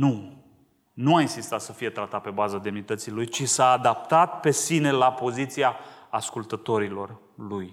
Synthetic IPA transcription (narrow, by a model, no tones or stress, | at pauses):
nu | nuainsist̪at̪səfije̞t̪ɾat̪at̪̚pe̞bazad̪e̞mnit̪ət̪silujt͡ʃisaːd̪ap̚t̪at̪̚pe̞sine̞lapo̞zit̪siaːskult̪ət̪o̞ɾilo̞r | luj